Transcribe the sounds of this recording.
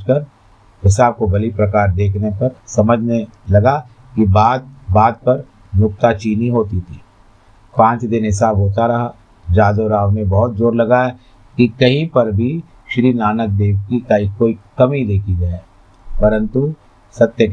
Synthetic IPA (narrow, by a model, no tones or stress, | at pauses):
kɐɾ | ɦɪsaːb̚kobɐlipɾɐkaːɾd̪eːkʰnepɐɾsɐməd͡ʒʱnelɐɡa | kibaːd̪̚baːd̪̚pɐɾ | mʊk̚t̪at͡ʃiːniɦoːt̪it̪ʰiː | pãːt͡ʃd̪ɪnɦɪs̬aːbɦoːt̪aɾɐɦa | d͡ʒaːd̪oɾaːʋnebɔɦʊt̪̚d͡ʒoːɾlɐɡaɛ | kikɐɦĩpɐɾbʱi | ʃɾiːnaːnək̚d̪eːʋkikaikoːikɐmid̪eːkʰid͡ʒa | pɐɾə̃nt̪u | sɐt̪jə